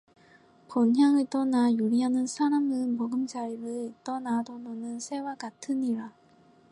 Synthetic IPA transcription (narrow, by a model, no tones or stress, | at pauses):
pʌnɦjaŋɯɭt͈ʌnajuɾiɦanɯnsʰaɾamɯmʌɡɯmd͡ʑaɾiɾɯɭit͈ʌnadodonɯnsʰe̞wakatʰɯniɾa